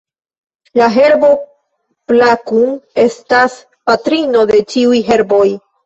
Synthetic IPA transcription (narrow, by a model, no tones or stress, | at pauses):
laɦe̞ɾbo̞ | plakuŋe̞stas | patɾino̞de̞t͡ʃiujɦe̞ɾbo̞j